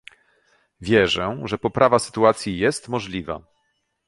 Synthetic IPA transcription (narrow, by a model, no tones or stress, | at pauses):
vʲjɛʐɛʐɛpɔpɾʔavasɘ̥t̪uat̪sʲjijɛst̪mɔʐlʲiva̰